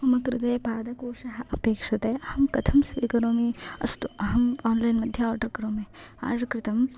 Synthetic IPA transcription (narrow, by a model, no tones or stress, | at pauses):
ɐmɐkɾɪt̪ɐjpaːd̪ɐkoːʃɐɦɐʔɐpeːkʂɐt̪ehɐmkɐt̪ʰɐmsʋiːkɐɾoːmeɐ̰st̪uɐɦɐmaːnlajnmɐd̪ʱjɐɔːɾɖɐɾkɐɾoːmea̰ːɖɐkɾɪt̪ɐm